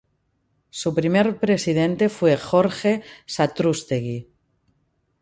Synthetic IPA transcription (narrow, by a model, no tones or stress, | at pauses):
supɾimeɾpɾe̞sið̞ẽ̞nt̪e̞fwe̞xoɾxe̞sat̪ɾust̪eɣi